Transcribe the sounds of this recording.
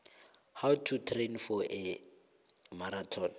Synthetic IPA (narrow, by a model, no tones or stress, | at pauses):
hawtʰutʰrenfɔʔɛ | maɾatʰɔn